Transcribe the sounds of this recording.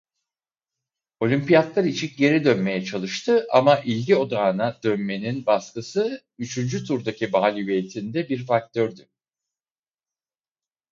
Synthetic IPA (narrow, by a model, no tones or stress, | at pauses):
o̞lʲympijat̪lˠaɾit͡ʃʰikɟe̞ɾid̪ønme̞jɛt͡ʃʰalˠɯʃt̪ʰɯʔa̰maʔilʲɟio̞d̪aːnad̪ønme̞ninbaskɯsɯ | yt͡ʃʰynd͡ʒyt̪ʰuɾd̪acʰibaːlʲiveːt̪ʰind̪ɛbiɾfak̚t̪ʰøɾd̪y